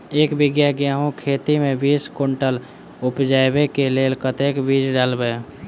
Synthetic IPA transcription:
eːkbɪɡjaɡjaːɦõkʰeːt̪imẽbiːskoɳʈəl | ʊpd͡ʒabekeleːlkət̪ekbid͡ʒɖalbe

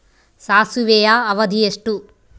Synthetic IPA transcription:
saːsuʋeːjaːɐʋɐd̪ʱijeʂʈu

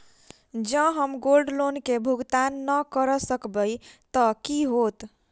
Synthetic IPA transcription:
d͡ʒə̃ɦəmɡolɖlonkebʱuɡt̪anːəkəɾəsəkbəjt̪əkiɦot̪

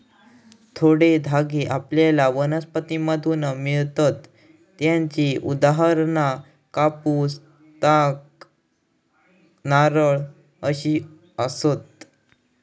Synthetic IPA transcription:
t̪ʰoɽed̪ʱaɡeʔapljalaʋənəspət̪iməd̪ʱunəmiɭt̪at̪ː | jãɲt͡ɕiʔud̪aɦaɾna | kapus | t̪ãk | naɾəɭ | əɕi | əsot̪̚

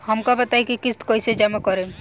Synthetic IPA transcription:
hɔmkabət̪ajkikit̪kojsed͡ʒamakɔɾe

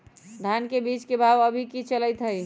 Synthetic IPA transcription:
d̪ʱankebit͡ʃkebʱaʋəbʱikit͡ʃələjt̪ɦəj

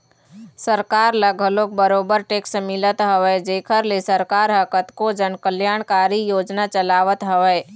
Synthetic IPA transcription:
səɾkaːɾləɡʱəloːk̚bəɾoːbəɾʈeːksmɪlət̪ɦəʋɛːd͡ʒeːkʰəɾlesəɾkaːɾɦəkət̪kod͡ʒənkəljaːɽ̃kaːɾijoːd͡ʒnat͡ʃəlaːʋət̪ɦɐʋɛː

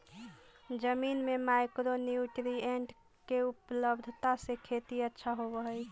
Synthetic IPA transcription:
d͡ʒəminmemajkɾoniuʈɾieɳʈ | keupləbd̪ʱt̪asekʰet̪iətːʃʰaɦobəɦəj

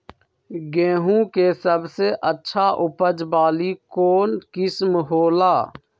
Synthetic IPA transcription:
ɡẽːɦũkesəbseʔətːʃʰaʔʊpəd͡ʒbaːlikoːnkɪsmɦoːlaː

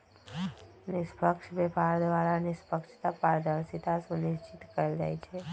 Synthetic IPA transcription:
nispəkʃʋepaɾd̪ʋaɾanispəkʃt̪apaɾd̪əɾsit̪asũniʃt͡ʃit̪kəɾeld͡ʒa̰jt͡ʃʰe

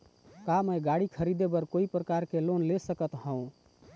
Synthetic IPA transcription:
kaməjɡaɽikʰəɾid̪ebəɾkoipɾəkaɾkelonlesəkət̪hə̃ũ

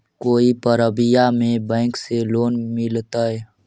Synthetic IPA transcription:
koːipəɾəbɪjamẽbɛ̃ːŋkseloːnmɪlt̪aɛ

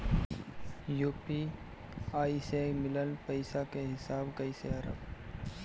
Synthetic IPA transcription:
juːpi | aːisemɪlənpəɪsakeɦɪsaːbɡəiseɐɾə̰b

